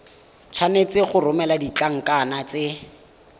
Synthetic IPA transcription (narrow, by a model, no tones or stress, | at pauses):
t͡sʰwanet͡sɪχʊrʊmɛladit͡ɬaŋ̩kʼanat͡sɪ